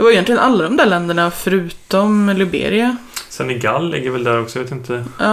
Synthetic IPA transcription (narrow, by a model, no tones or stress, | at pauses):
d̪ɛvaɾʏɛnt̪lɪɡənalːad̪ɔmd̪æːɾɭɛnd̪əɳafœɾʉ̟ːt̪ɔmlɪbḛːɾɪasɛnːɪɡalːɪ̰ɡːəɾvɛld̪æɾɔksɔjveːt̪ɪnt̪ʰəɑː